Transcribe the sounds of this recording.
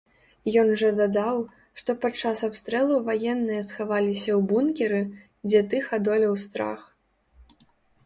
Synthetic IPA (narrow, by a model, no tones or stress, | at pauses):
jɔnʐɐd̪ad̪aw | ʂt̪ɔpat͡ʂːasapst̪ɾɛlˠuvajɛnːɨjɐsxavalʲisʲɐwbunkʲɛɾɨ | d͡zʲɛt̪ɨxad̪ɔlʲɐwst̪ɾa̰x